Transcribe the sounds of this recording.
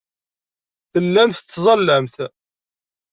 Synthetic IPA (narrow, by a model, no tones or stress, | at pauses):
θəlːæmθzˤɑlːæmθ